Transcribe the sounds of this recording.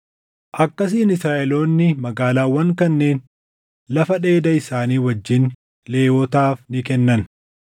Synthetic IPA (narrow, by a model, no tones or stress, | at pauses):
ʔɐkːɐs̬iːnɪsɾaːʔɛlo̞ːnːɪmɐɡaːlaːwːɐŋkɐnːe̞ːn | lɐfɐᶑe̞ːd̪ɐɪsaːniːwɐd͡ʒːɪn | le̞ːwoːt̪aːfnɪkɛnːɐn